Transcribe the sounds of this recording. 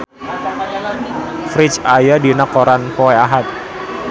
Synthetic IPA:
fɾit͡ʃajadinakoɾanpoɛaɦat̪̚

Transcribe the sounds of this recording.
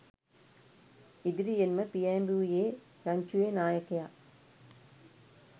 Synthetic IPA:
ɪðɪɾijenmɐpiɐmbuːjeː | ɾɐɲt͡ʃueːnaːjɐkːɐjaː

